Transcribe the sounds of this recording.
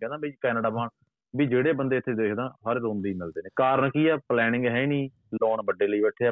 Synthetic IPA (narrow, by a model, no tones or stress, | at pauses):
ɛ̃nd̪aːbẽːikɛːnəːɖaːmaːɳ | biːd͡ʒeːɽeːbənd̪eːɪt̪ʰːeːd̪eːkʰd̪ãːsəɾeːɾõːnd̪iːmɪld̪eːneːkaːɾəɳkiːɛːplɛːnɪ̃ŋɡɦɛiːniː | loːnbəɖeːləiːbɛːʈʰːe